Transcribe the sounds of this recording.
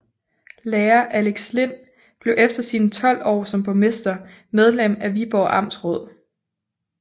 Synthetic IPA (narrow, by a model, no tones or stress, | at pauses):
leːɐʔæleɡ̥sle̝n̰ | b̥le̝ʊʔefd̥ɐsinət͡sʰɒ̽l̰ɒ̰ːsɒ̽mpʰɒ̽me̝sd̥ɐ | með̞ˠlem̰æʋib̥ɒʊʔɑ̈m̰d̥sʁɔ̽ð̰ˠ